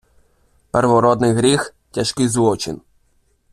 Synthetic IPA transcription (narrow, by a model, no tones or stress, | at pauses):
pɛrʋɔɾɔd̪nɪjɦɾʲix | tʲɐʃkɪjzʋɔt͡ʃɪ̰n